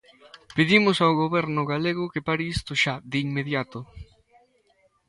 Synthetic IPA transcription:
peðimʊsawɣoβɛɾnʊɣaleɣʊkepaɾɪist̪ʊʃad̪ɪːŋmeðjat̪ʊ

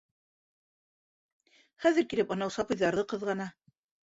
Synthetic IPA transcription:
χæðɘ̆ɾkilɘpɤ̆nɑwsɑpɤ̆jðɑɾðɤqɤ̆ðʁɑnɑ

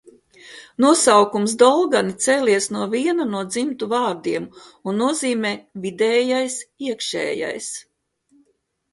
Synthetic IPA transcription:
nuɔsawkums̬d̪ɔlˠɡanit̪sɛːliɛsnuɔviɛnanuɔd̪zimt̪uvaːɾd̪iɛmunːuɔziːmɛːvid̪ɛːjajsiɛkʃɛ̰ːja̰js

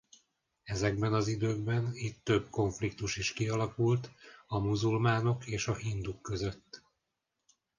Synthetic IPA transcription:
ɛzɛɡbɛnɒzid̪øːɡbɛnit̪ːø̞bko̞ɱflikt̪uʃiʃkiɒlɒkult̪ɒmuzulmaːno̞keːʃɒhind̪ukːø̞zø̞t̪ː

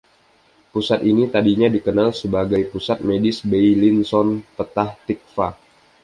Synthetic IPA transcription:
pusat̪init̪adiɲadikənalsəbaɡajpusat̪̚medɪsbejlinsɔnpət̪aht̪ik̚fa

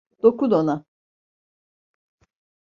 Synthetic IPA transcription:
d̪̥okud̪ona

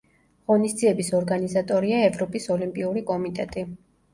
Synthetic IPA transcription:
ʁɔnisd̪ziɛbisɔɾɡanizat̪ʼɔɾiaɛvɾɔpʼisɔlimpʼiuɾikʼɔmit̪ʼɛt̪ʼi

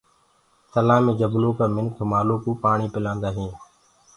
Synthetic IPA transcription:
səlãːmẽːd͡ʒəbloːkaːmɪnkʰmaːloːkuːpaːɳiːpɪlãːnd̪aːɦĩː

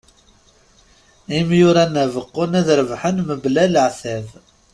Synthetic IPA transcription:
imjʊɾænævəqːʊnæðɾvħənməblæləʕθæv

